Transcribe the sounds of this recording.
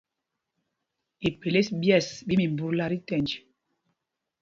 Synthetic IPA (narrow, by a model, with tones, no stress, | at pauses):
e˨pe˨le˦sbjɛ˦˨sbi˦mi˨m˨bu˦ɾla˦ɾi˦tɛ˨nd͡ʒi˨